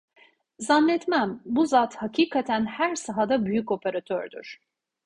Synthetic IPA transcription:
zanːɛt̪mænbuzat̪hacʰiːkʰat̪ʰænhæɾsaɦad̪abyjyco̞pʰeɾat̪ʰøɾd̪y̰ɾ̥

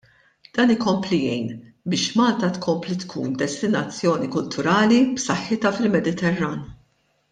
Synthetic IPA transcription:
d̪̥ɐːnɪkɔmplijɛjn | bɪːʃmɐːlt̪ɐt̪kʰɔmplit̪kʰṵːnd̪ɛst̪ɪnɐt͡sːjɔːnikʊlt̪ʊɾɐːlipsɐħːɪt̪ɐfɪlmɛd̪ɪt̪ɛrːɐːn

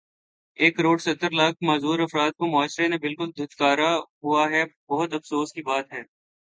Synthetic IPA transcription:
eːkɾoːɖsɐt̪ːəɾlaːk̚ʰmaːzuːɾɐfɾaːd̪̚komʊaːʃɾenẽbɪlkʊld̪ʱʊd͡ʒ̪kaːɾaɦuaɦɛbɐɦʊt̪ɐfsoːskibaːt̪ɦɛː

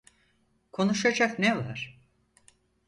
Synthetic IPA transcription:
kʰo̞nuʃad͡ʒaknevaɾ̥

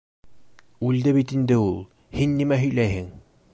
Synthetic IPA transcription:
ʉld̪ɘβit̪ind̪ɘulˠ | hinːimæɦɵ̆jlæjhɘŋ

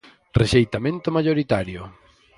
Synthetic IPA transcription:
rʔeʃejt̪amẽnt̪ʊmaʎoɾit̪aɾjo

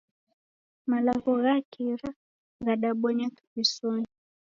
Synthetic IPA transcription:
malaɣɔɣakiɾa | ɣaɗaɓɔɲɛkaβisɔni

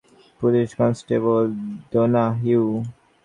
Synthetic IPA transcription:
pʊlɪʃkɔ̃nsʈebəld̪onaɦuː

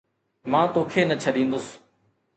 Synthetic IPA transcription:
mãːt̪oːkʰeːnət͡ʃʰəɗĩːnd̪ʊs

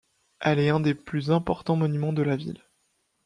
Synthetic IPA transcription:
ɛlɛɛ̃d̪eplyzɛ̃pɔʁt̪ɑ̃mɔnymɑ̃d̪əlavḭl

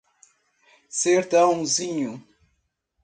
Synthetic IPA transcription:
seɾt̪ɐ̃w̃ziɲu

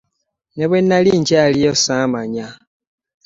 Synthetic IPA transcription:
neβwenːaliːɲɟalijosamaɲa

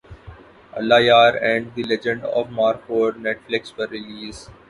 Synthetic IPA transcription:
ɐ̰lːaːjaːɾɛ̃ɳɖd̪ilɛd͡ʒə̃ɳɖɔ̰ːʋmaːɾkoːɖneʈflɪksʋəɾːɪliːz

